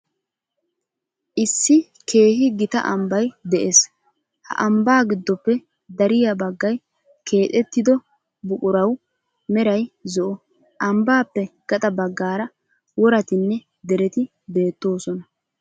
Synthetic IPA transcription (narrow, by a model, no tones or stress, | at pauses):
ʔɪsːɪ | kʰe̞ːhɪɡɪt̪ɐ̰ʔɐmbɐjd̪ɛʔes | hɐ̰ʔɐmbaːɡɪd̪ːɔpːɛ | d̪ɐɾɪjɐbɐɡːɐj | kʰe̞ːt̪ʼɛt̪ːɪd̪ɔ | bʊkʼʊɾɐw | mɛɾɐjzɔʔɔ | ʔɐmbaːpːɛɡ̥ɐt̪ʼɐbɐɡːaːɾɐ | wɔɾɐt̪ɪnːɛ | d̪ɛɾɛt̪ɪ | be̞ːt̪ːo̞ːsɔnɐ